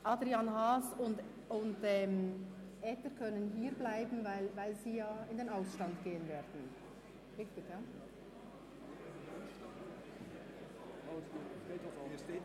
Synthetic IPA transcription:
ʔɑdʁɾiɑnhaːsʊnt | ʊntɛːm | ʔɛːtəɾkʰœnənɦiːɾblaɪbm̩vaɪlvaɪlziːjaːɪndeːnaʊsʃtɑntɡ̥eːənvɛːdn̩ | ɪktɪɡjaː

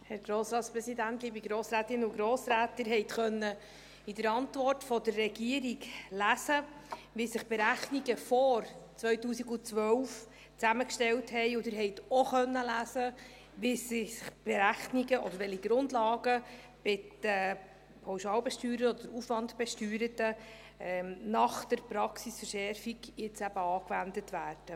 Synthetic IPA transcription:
hɛɾɡ̥ɾoːsɾɑːt̪spɾɛsid̪æntiːbiɡɾoːsɾæːtɪnuɡɾoːsɾæːtːɪɾɦɛɪtχœnːə | ɪdəɾɑntʋɔrtfɔdərːɛɡiəɾiɡlæsəʋisɪχb̥eɾæχniɡəfɔɾt͡sʋœʏtuːsiɡut͡sʋœwf | t͡sæməkʃtɛwthɛɪʊdɪɾɦɛɪtɔχœnːəlæːsə | ʋɪsɪɪb̥eɾæχniɡəʔɔ̰d̥əɾʋɛliɡ̥ɾʊndlɑːɡə | b̥ɪtɛ | pʰawʃɑːlbɛʃtyːɾəɔd̪̥əɾufʋɑndb̥ɛʃtyːɾətə | ɛnɑχd̥̪əɾpɾɑksisfəɾʃɛɾfiɡjɪt͡sæb̥əɑːkʋændətʋæːrd̥ə

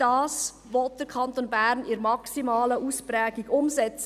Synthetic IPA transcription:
d̥ɑːs | ʋɔt̚d̥əɾkʰɑnt̪onbæɾnɪɾmɑksimɑːləʔuspræːɡiɡʊmsɛt͡s

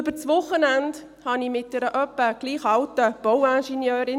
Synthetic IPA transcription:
øbət͡sʋʊχːənænd | hɑnimɪt̚d̥ɛɾəʔœpːəɡ̥liːχɑltəb̥ɔwænʃɛnjœːɾɪ

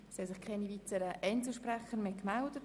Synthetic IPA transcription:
shɛsɪχkʰanivitəɾəʔɛnt͡ssl̩ʃpɾɛχəɾmekmaʊdət

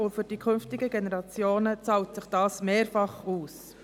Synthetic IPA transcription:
ʊfyɾd̥ikʰɵnftɪɡəɡenɛɾɑt͡sjoːnət͡sɑwtsɪχd̥ɑːsmeːɾfɑχuːs

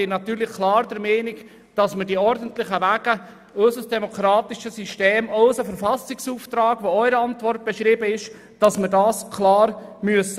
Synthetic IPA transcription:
ɪnɑt̪yːɾlɪχkʰlɑːɾdəɾmɛːnɪk | d̥ɑsmədiɔɾdən̩tlɪχəvæːɡ̥ə | œsəsd̥ɛmɔkʰɾɑːt̪ɪʃəsyʃteːmaʊsəfəɾfɑsɪksuːft̪ɾɑːɡʋoœʏɾəɑntvɔrt̚b̥ɛʃɾiːbəɪʃ | d̥ɑsməɾdɑːskʰlɑːɾmyəsə

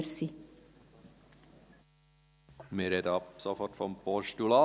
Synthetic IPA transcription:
ɾsi | mɪɾɛd̪əɑpsɔfɔʈfɔmpɔʃtulɑː

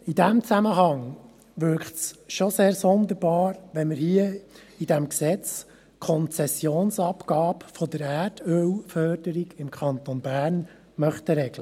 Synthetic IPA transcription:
idæmt͡sæməɦɑŋ | ʋʏɾkχtsʃoseːɾsɔnd̪əɾb̥ɑːɾʋɛnməɾhiə | id̥æmksɛt͡s | kʰɔnt͡sɛsjoːnsɑpkɑːpfɔd̪əɾæːrtʰølfœːrdəɾiɡɪmkχɑnt̪onbæːrn | mœχt̪əɾɛɡ̥lə

